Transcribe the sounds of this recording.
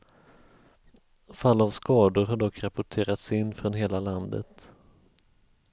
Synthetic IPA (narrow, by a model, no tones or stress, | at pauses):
falːavskɑːd̪ʊɾɦaɖɔkːɾapʊʈʰeːɾat̪sɪnːfɾɔnɦeːlaland̪ə̰t̪